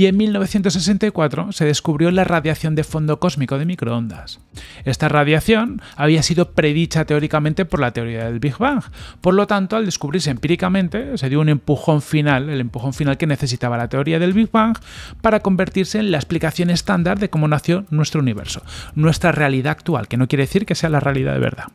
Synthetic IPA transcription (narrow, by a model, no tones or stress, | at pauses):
ie̞nmilnoβe̞θjent̪osːes̬e̞nt̪aikwat̪ɾo̞se̞ð̞e̞skuβɾjo̞laraðjaθjo̞nd̪e̞fo̞nd̪o̞ko̞zmiko̞ðe̞mikɾoo̞nd̪a̰s | e̞st̪araðjaθjo̞naβ̞iasiðo̞pɾe̞ðit͡ʃat̪e̞o̞ɾikamẽnt̪e̞po̞ɾlat̪e̞o̞ɾiaðelβixβaŋxpo̞ɾlo̞t̪ant̪oald̪e̞skuβɾiɾsempiɾikamẽ̞nt̪e̞se̞ðjounẽ̞mpuxo̞ɱfinale̞le̞mpuxo̞ɱfinalke̞ne̞θe̞sit̪aβalat̪eoɾiaðe̞lβiɣβaŋxpaɾako̞mbe̞ɾt̪iɾse̞ːnlaesplikaθjo̞ne̞st̪and̪aɾðe̞ko̞mo̞naθjo̞nwe̞st̪ɾouniβ̞e̞̰ɾso̞nwe̞st̪ɾare̞aliðaːkt̪ua̰lke̞no̞kjeɾeeθiɾke̞se̞alarealiða̰ðḛβḛɾða̰